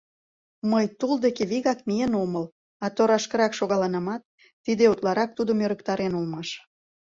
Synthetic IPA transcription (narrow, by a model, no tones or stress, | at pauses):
məjt̪uld̪ekeβiɣɑkmijenoməl | ɑt̪oɾɑʃkə̆ɾɑkʃoɣɑlɑnɑmɑt̪̚ː | id̪eut̪lɑɾɑk̚t̪ud̪əmøɾəkt̪ɑɾenulmɑʃ